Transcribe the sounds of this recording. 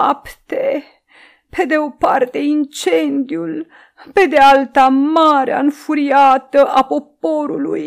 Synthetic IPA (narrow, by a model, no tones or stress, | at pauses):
apt̪e | pe̞d̪e̞o̞part̪e̞int͡ʃe̞nd̪iul | pe̞d̪ealt̪amaɾḛa̰ɨnfuɾiat̪əʔapo̞p̚o̞ɾuluj